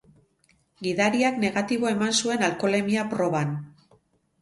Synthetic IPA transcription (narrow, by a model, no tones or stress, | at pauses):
ɡiðaɾiakne̞ɣat̪iβo̞e̞mansue̞nalko̞le̞miapɾo̞βan